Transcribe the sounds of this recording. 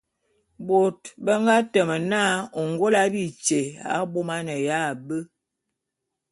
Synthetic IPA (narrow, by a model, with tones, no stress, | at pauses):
bo˨tbə˦ŋɡa˦tə˨mə˨na˦o˨ŋɡo˦la˦bi˦˨t͡ʃe˨a̰˨˦bo˦ma˦nə˨ja˦˨bə˦